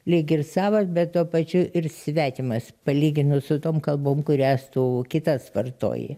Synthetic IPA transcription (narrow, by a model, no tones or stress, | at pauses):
lʲɪkʲɪrsɑːʋɐsbʲɛt̪t̪uɔpɐt͡ʃʲʊʔɪrsʲʋʲæːt̪ʲɪmɐspɐlʲiːɡʲɪnʊsʊt̪oːmkɐlˠboːmkʊɾʲæːst̪uːkʲɪt̪ɐsʋɐrt̪o̰ːjḛ